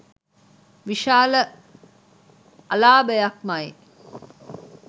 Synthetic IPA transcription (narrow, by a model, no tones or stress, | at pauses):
ʋiʃaːlə | ɐlaːbəjɐk̚mɐi